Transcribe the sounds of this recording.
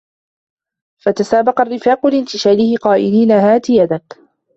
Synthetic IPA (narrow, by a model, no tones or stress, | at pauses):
fat̪asaːbɑqɑrːɪfaːqʊlɪnt̪ɪʃaːlɪhɪqɑːʔɪliːnaɦaːt̪ɪjad̪ak